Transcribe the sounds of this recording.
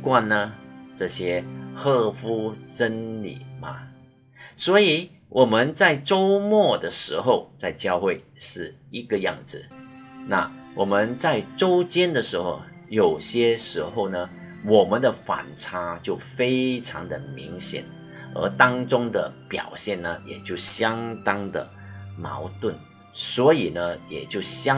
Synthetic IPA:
kwa˥˧nə˩ʈ͡ʂɤ˥˩ɕjɛ˥xɤ˥˧fu˥ʈ͡ʂə˥nlḭ˨˩mɐ̰˨ | swɔ˧˥i˨˩˦ | wʔɔ˨˩mə˧˦nt͡sa˥˩ɪʈ͡ʂo˥ʊmwɔ˥˩d̪ə˩ʂɻ̩˧˥xo˥˧ʊt͡sa˥˧ɪt͡ɕjɑ˥˧ʊxwe˥˩ɪʂɻ̩˥˩i˧˥ɡə˨jɑ̰˥˩ŋd͡zɹ̩˨˩na̰˥˩wɔ˨˩mə˧˦nt͡sa˥˩ɪʈ͡ʂo˥ʊt͡ɕjɛ˥nd̪ə˨ʂɻ̩˧˥xo˧ʊ | jo˨˩ʊɕjɛ˥ʂɻ̩˧˥xo˥˧ʊnə˩wɔ˨˩mə˦nd̪ə˨fa̰˨˩nʈ͡ʂʰa˥t͡ɕjo˥˩ʊfe˥ɪʈ͡ʂʰɑ̰˧˥ŋd̪ə˨mḭ˧˥ŋɕjɛ̰˨˩˦n | ə̰˧˥t̪ɑ˥ŋʈ͡ʂʊ˥ŋd̪ə̰˨pjɑ̰˨˩ʊɕjɛ˥˩nnə˩jɛ̰˨˩t͡ɕjo˥˩ʊɕjɑ˥ŋt̪ɑ˥ŋd̪ə̰˨˩ | mɑ̰˧˥ʊt̪wə˥˩n | swɔ˧˥i˨˩nə˦jɛ̰˨˩t͡ɕjo˥˩ʊɕ

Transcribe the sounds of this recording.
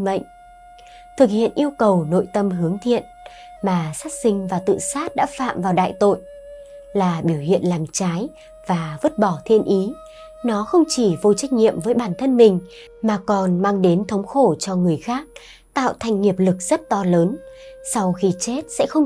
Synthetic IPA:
mə̰˧˨jŋ̟ | t̪ʰɨ˨˩k̚hḭ˧˨ənʔi˧əwkə˨˩wno̰˧˨jt̪ə˧mɦɨ˨˦əŋt̪ʰḭ˧˨ən | maː˨˩saː˦˥t̚sï˧ŋ̟vaː˨˩t̪ɨ̰˧˨saː˦˥t̚ɗa̰ː˧˥fa̰ː˧˨mvaː˨˩wɗa̰ː˧˨jt̪o̰˧˨j | laː˨˩ɓi˧˩əwhḭ˧˨ənlaː˨˩mt͡ɕaː˨˦j | vaː˨˩və˦˥t̚ɓɔ˧˩t̪ʰḭ˧˨ənʔi˨˦ | nɔ˨˦xə˧wŋ͡mt͡ɕi˧˩vo˧jt͡ɕa˦˥jk̟̚ŋḭ˧˨əmvəː˨˦jɓaː˨˩nt̪ʰə˧nmï˨˩ŋ̟ | maː˨˩kɔ˨˩nmaː˧ŋɗe˨˦nt̪ʰə˨˦wŋ͡mxo˧˩t͡ɕɔ˧ŋɨ˨˩əjxaː˦˥k̚ | t̪a̰ː˧˨wt̪ʰa˨˩jŋ̟ːi˨˩əp̚lɨ˨˩k̚z̥ə˦˥t̚t̪ɔ˧ləː˨˦nsa˧wxi˧˦t͡ɕe˦˥t̚sɛ̰˧˥xə˧wŋ͡m

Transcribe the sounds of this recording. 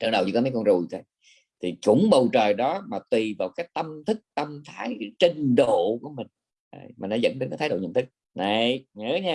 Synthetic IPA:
t͡ɕaə˧wɗə˨˩wt͡ɕḭ˧˩kma˨˦jkɔ˧nzu˨˩jt̪ə˧˦ | t̪ʰi˨˩t͡ɕʊ̰˨˧˥ŋ͡mɓə˨˩wt͡ɕəː˨˩jɗɔ˨˦maː˨˩t̪wi˨˩vaː˨˩wkaː˨˦jt̪ə˧mt̪ʰɨ˦˥k̚t̪ə˧mt̪ʰaː˨˦jt͡ɕi˧ŋɗo̰˧˨ku˧˩əmï˨˩ŋ̟ | a̰˨˧˩jma̰ː˨˩nɔ˨˦zə̰˧˥nɗə˨˦nkaː˧˦t̪ʰːjɗo̰˧˨ɲ̰˧˨nt̪ʰɨ˦˥k̚ | na˨˩jɲɨ˨˦ɲaː˧

